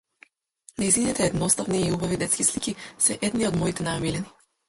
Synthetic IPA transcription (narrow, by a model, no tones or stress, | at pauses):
najzinit̪ɛːd̪nɔst̪avniiubavid̪ɛt̪skʲislikʲisɛʔɛd̪niɔd̪mɔit̪ɛnajamilɛni